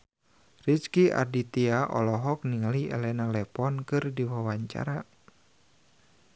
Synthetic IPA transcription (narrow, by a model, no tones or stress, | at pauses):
rit͡ʃkiʔa̰dit̪iaʔɔ̰lɔɦɔk̚niŋaliɛ̰lɛnalɛpɔnkɨrdiwawaɲt͡ʃa̰ɾa